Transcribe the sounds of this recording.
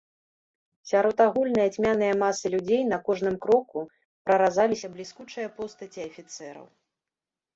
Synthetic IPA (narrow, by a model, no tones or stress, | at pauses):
sʲaɾɔt̪aɣulʲnɨjɐt͡sʲmʲanɨjɐmasɨlʲud͡zʲejnɐkɔʐnɨmkɾɔku | pɾɐɾazalʲisʲɐblʲiskut͡ʂɨjɐpɔst̪ɐt͡sʲiɐfʲit̪sɛɾɐ̰w